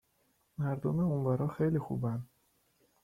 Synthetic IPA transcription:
mæɾd̪omeonvɒːɾɒːxejlixṵbænd̪

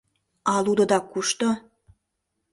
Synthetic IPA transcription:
ɑlud̪ŏd̪ɑkuʃt̪o

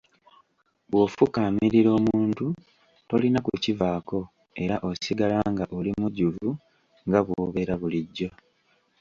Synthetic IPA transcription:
βwo̞fukaːmiɾiɾo̞ːmuːntu | to̞linakucivaːko̞ | e̞ɾaʔo̞siɡalaŋɡaʔolimuɟuvu | ŋɡaβwoβe̞ɾaβuliɟːo̞

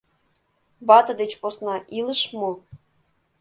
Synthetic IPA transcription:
bɑt̪ɤ̆d̪et͡ɕposnɑʔiləʃmo

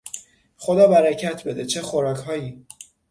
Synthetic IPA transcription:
χod̪ɒːbæɾæcʰæt̪ʰbe̞d̪e̞t͡ʃʰe̞xoɾɒːcʰhɒːjiː

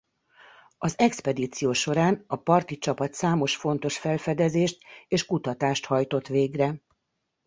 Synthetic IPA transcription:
ɒzɛkspɛd̪iːt̪sijoːʃo̞ɾaːnɒpɒrt̪it͡ʃɒpɒt̪saːmo̞ʃfo̞nt̪o̞ʃfɛlfɛd̪ɛzeːʃt̪eːʃkut̪ɒt̪aːʃt̪hɒjt̪o̞t̪ʋeːɡrɛ

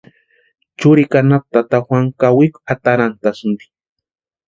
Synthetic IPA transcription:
t͡ʃʊɾikanap̚t̪at̪axwaŋkawikat̪aɾant̪asnd̪i̥

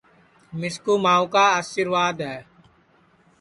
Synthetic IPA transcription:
mɪskuːmaːũːkaːaːʃɪɾʋaːd̪ɦɛː

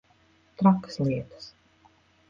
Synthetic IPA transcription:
t̪ɾakːə̥sliɛt̪ə̥s

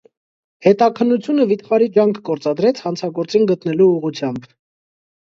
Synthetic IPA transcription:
hɛt̪ɑkʰənːut͡sʰjunəvit̪χɑɾid͡ʒɑŋkʰːɔɾt͡sɑd̪ɾɛt͡sʰhɑnt͡sʰɑɡɔɾt͡sinɡət̪nɛluːʁut͡sʰjɑmb

